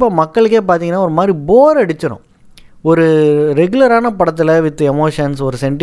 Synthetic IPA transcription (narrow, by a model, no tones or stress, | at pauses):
pːoːmɐkːɐɭɯk̬ːeːp̬aːɾt̪iŋɐnːaːɔɾɯmaːd̪ɾiboːɾɐɽɯt͡ʃːɐɾʊ̰̃ | ɔɾɯɾɛɡʊlɐɾaːnɐpɐɽɐt̪̬ːɯlɐʋɪt̪ːɯɛmoːʂɐnsɔɾɯsɛɳʈ